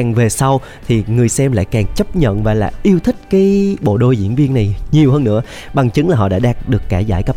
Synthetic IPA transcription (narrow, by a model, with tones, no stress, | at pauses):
ŋve˨˩sa˧w | t̪ʰi˨˩ŋɨ˨˩əjsɛ˧mla̰ː˧˨jkaː˨˩ŋt͡ɕə˦˥p̚ɲə̰˧˨nvaː˨˩la̰ː˨˩ʔi˧əwt̪ʰï˦˥k̟̚kaː˨˦jɓo̰˧˨ɗo˧jzḭ˧˥ənvi˧ənːa˨˩jɲi˨˩əwɦəː˧nːɨ̰˧˥ə | ɓa˨˩ŋt͡ɕɨ˨˦ŋlaː˨˩ɦɔ̰˧˨ɗa̰ː˧˥ɗaː˧˩ŋ̚ɗɨ˨˩əkːaː˧˩jzaː˧˩jkə˦˥